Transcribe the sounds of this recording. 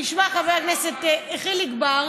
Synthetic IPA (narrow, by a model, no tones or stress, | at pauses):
iʃmaχaveakneset̪eχiliɡbaʁ